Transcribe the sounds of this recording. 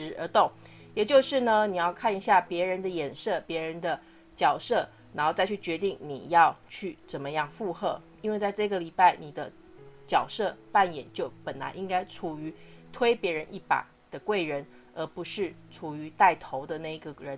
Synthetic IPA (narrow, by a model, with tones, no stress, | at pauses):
ɻ̩˧˥ə˞˧˥t̪ʊ˥˩ŋ | jɛ˨˩t͡ɕjo˥˧ʊʂɻ̩˥˩nə˩ni˨˩jɑ˥˧ʊkʰa˥˩ni˧ɕja˥˩pjɛ˧˥ɻə˧˥nd̪ə˧jɛ˨˩nʂɤ˥˩pjɛ˧˥ɻə˧˥nd̪ə˧ | t͡ɕjɑ˨˩ʊʂɤ˥˩ | na˧˥nxo˥˧ʊt͡sa˥˧ɪt͡ɕʰy˥˩t͡ɕɥɛ˧˥t̪̬i˥˩ŋnḭ˨˩jɑ˥˧ʊt͡ɕʰy˥˩t͡sə˨˩nmə˦jɑ˥˧ŋfu˥˧xɤ˥˩ | i˥nwe˥˧ɪt͡sa˥˧ɪʈ͡ʂɤ˥˩ɡə˩li˨˩pa˥˩ɪni˨˩d̪ə˦ | t͡ɕjɑ˨˩ʊʂɤ˥˧pa˥˩njɛ˨˩nt͡ɕjo˥˩ʊpə˨˩nla̰˧˥nʔi˥ŋka˥ɪʈ͡ʂʰu˨˩y˧˥t̪ʰwe˥ɪpjɛ˧˥ɻə˧˥nʔi˥˩pa̰˨˩˦ | d̪̥ə˦kwe˥˩ɪɻə˧˥n | ə˞˧˥pu˧˥ʂɻ̩˥˩ʈ͡ʂʰu˨˩y˧˥t̪a˥˩ɪt̪ʰo˧˥ʊd̪ə˧na˥˩ɪi˧˩ɡə˩ɻə˧˦